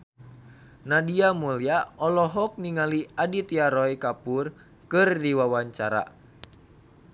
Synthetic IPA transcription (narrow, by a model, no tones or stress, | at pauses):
nadiamuliaɔlɔɦɔk̚niŋaliadit̪iaɾɔjkapur | kɨrdiwawaɲt͡ʃaɾa̰